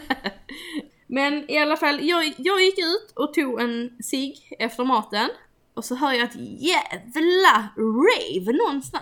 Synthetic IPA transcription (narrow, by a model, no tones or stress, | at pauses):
mɛnɪalːafalːjɑːjɑːɡjɪkːʉ̟ːt̪ɔt̪ʰuːɡɛnsɪɡɛft̪əɾmɑːt̪ən | ʔɔsɔɦœːɾjɑɛt̪jævlaɾɛvnɔnːst̪a